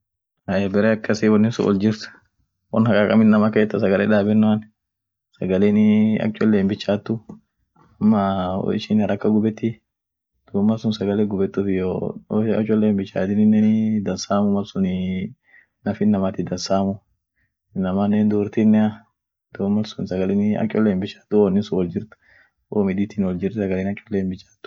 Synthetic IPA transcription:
ɐebɛɾeːɐkːɐsɪwɐnːɪnsʊ̰ʔɔ̰ld͡ʒɪɾt̪ | wɐ̰nhɐkʼaːkʼɐmɪnːɐmakeːt̪ːɐs̬ɐɡɐleːᶑaːbɛnːʊɐn | sɐɡɐleːnɪɐ̰k̚t͡ʃʼɔlːeːmbɪt͡ʃːaːt̪ːʊ | ɐmːɐ̰ɪ̰ʃɪnɐɾɐkːɐɡʊbɛt̪ːɪ | d̪̥uːmːɐlsʊnsɐɡɐleːɡʊbɛt̪ːʊfɪjoɐ̰t͡ʃʼɔlːeːmbɪt͡ʃːa̰ːt̪ɪnɪnːɛd̪ɐnsaːmʊmɐlsʊnɪ | nɐfɪnːɐmaːt̪ɪd̪ɐnsaːmʊ | nɐmaːnːeːnd̪uːɾt̪ɪnːɛɐ | d̪̥oːmːɐlsʊnsɐɡɐlɛnɪɐ̰kt͡ʃʼɔlːeːmbɪt͡ʃːḁːt̪ːʊɔnːɪsʊwɔld͡ʒɪɾt̪ʊ̥ | oːmɪd̪iːt̪ɪnwɔld͡ʒɪɾt̪sɐɡɐleːnɐkt͡ʃʼːɔlːeːmbɪt͡ʃːḁːt̪ːʊ̥

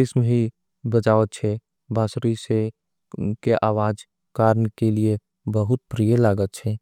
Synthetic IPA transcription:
ɪsmɦi | bət͡ʃaːʋət̪̚t͡ʃʰɛ | bʱaːsɾise | keʔaːwaːd͡ʒ | kaːɾnkelie | bəɦʊt̪̚pɾijəlaːɡət̪̚t͡ʃʰɛ

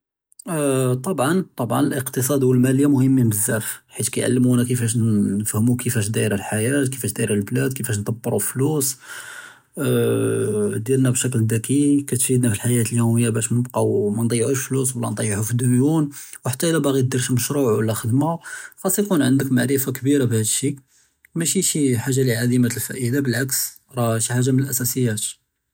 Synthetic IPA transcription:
t̪ˤɑbʕɑnt̪ˤɑbʕɑ̰nəlʔəqt̪əsˤɑd̪wəlmæləjːamʊhəmːibəzːæfħit̪kæjʕa̰lːəmunækəfæʃ̬nnəfhəmukəfæʃ̬d̪æjɾəlħajæt̪kəfæʃd̪æjəɾəlblæd̪̚kəfæʃ̬nt̪ɑbːəɾˤuflusˤ | d̪jiɾnæbʃækld̪ækikæt̪fid̪næfilħajæt̪əljuməjːabæʃmnəbqɑwmænt̪ˤɑjʕuʃflus̬wəlːæ̰nt̪ˤɑjːʕufid̪unjunwħat̪ːæʔəlæbæɣid̪iɾʃməʃɾuʕwəlːæxəd̪maxɑsˤːjkunʕənd̪əkmaʕɾəfakbiɾabhæd̪əʃi | mæʃiʃiħaʒːaliʕad̪imalfæ̰ʔid̪abəlʕaks | ɾˤɑʃiħaʒːamnəlʔæsæsəjːæt̪

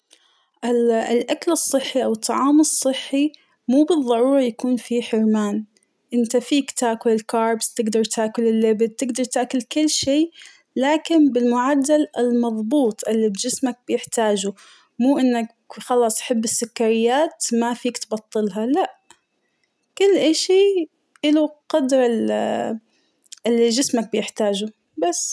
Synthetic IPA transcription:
ʔɪlʔakalɨsˤːɨħːiʔawɨt̪ˤːɑʕɑːmɨsˤːɨħːi | muːbɨðˤːɑɾuːɾˤɑjakuːnfiħɪɾmaːn | ʔɪnt̪afiːkt̪aːkʊlɪlkɑːɾˤbst̪ɪɡd̪ɑɾˤt̪aːkʊlɪlːɪbɪd̪̚t̪ːɪɡd̪ɑɾˤt̪aːʔkʊlkʊlːʃeː | laːkɪnbɪlmʊʕad̪ːalɪlmɑðˤbuːt̪ˤʔɪlːibd͡ʒɪsmak̚b̥ɪjɪħt̪aːd͡ʒʊ | muːʔɪnːak | xɑlɑːsˤʔħɪbːɪsːʊkːaɾɪjːaːt̪mafiːkt̪bɑt̪ˤːɨlɦɑlaʔ | kʊlːʔaʃi | ʔɪluqɑd̪ɾɪl | ɪlːid͡ʒɪsmak̚bɪjɪħt̪aːd͡ʒʊ | basː

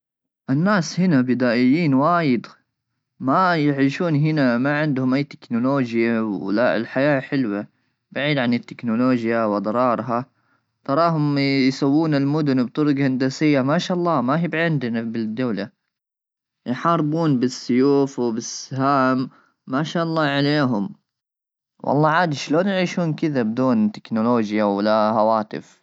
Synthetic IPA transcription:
ʔɪnːaːshɪnabɪd̪aːʔɪjːiːnwaːjɪd̪ | majɪʕiːʃuːnɦɪnamaʕɪnd̪hʊmʔajːt̪ːɪ̥knʊloːd͡ʒjawlaɪ̰lħajaːħɪlwa | baʕiːd̪ʕanɪt̪ːɪknʊloːd͡ʒjawɑd̪ˤɾˤɑːɾˤɦa | t̪ˤɑɾˤɑːɦʊmjsawːuːnɪlmʊd̪ʊnbt̪ˤʊɾʊɡhand̪asɪjːamaʃaːʔɑlˤːɑːmaɦibʕɪnd̪nabɪd̪ːawla | jħɑːɾˤbuːnbɪsːʊjuːfwbɪsɦaːmː | aʃaːʔɑlˤːɑːʕaleːɦʊm | wʔɑ̰lˤːɑːʕaːd̪iʃloːnjɪʕiːʃuːnkɪðabɪd̪uːnt̪ɪ̥knʊloːd͡ʒjawɪlahawaːt̪ɪ̰f

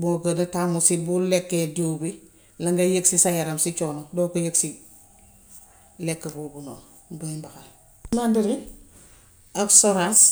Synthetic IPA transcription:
boɡənatamusibulekːedobi | laŋɡejeksisajaɾamsit͡ʃonodoːkojəksi | lekːebobuno | boimbaxal | mandiɾi | absoɾas

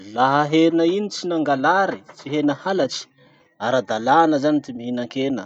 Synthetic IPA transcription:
laɦəɦeɾinəinit͡sinaŋɡalaɾit͡siɦenəhalat͡ʃi̥ | aɾad̪alanəzanit̪imiɦinaŋkenə̰

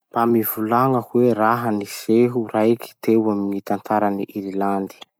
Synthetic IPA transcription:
b̥amivulaŋəkweɾaɦəniseɦuraki̥t̪ewamiŋit̪ant̪aɾaniʔiɾiland̪i̥

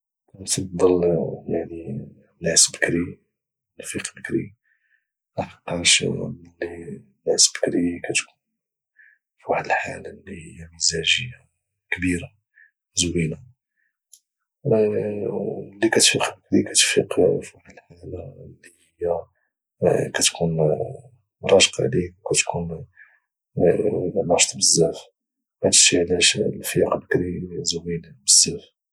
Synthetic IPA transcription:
æt̪ɑd̪ˤːɑljaʕni | nːæsbəkɾi | nfiqbəkɾḭ | ʔæfqːɑɾʃd̪ˤlːi | nːæsbə̥kɾikæt̪kun | fiwaħd̪əlħalalːihəjːaməzæʒəjːa | kbiɾa | zwila | lːikæt̪fiqbəkɾikæt̪fḭqfwaħd̪əlħalalːihəjːæ | kæt̪kʰun | ɾˤɑʃqɑ̰ʕlikæt̪kun | mɑʃt̪ˤbəzːæf | hæd̪ʃiʕlæʃlfiqbəkɾizwinbəzːæf

